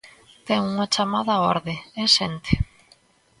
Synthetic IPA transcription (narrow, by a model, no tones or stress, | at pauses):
t̪ɛŋuŋɐt͡ʃamaðɐɔ̰ɾðeeʃent̪e̥